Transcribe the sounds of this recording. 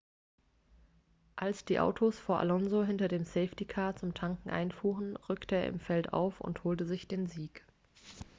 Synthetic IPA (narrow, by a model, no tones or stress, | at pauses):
ʔalsd̥iːʔa̰ʊtʰosfoːɐʔa̰lɔnzoɦɪntɐdeːmsɛɪftikʰaɐt͡sʊmtʰaŋkŋ̩ʔa̰ɪnfuːʁənʁʏktəeːɐʔɪ̰mfɛltʔa̰ʊfʊ̰nthoːltəzɪçd̥eːnziːk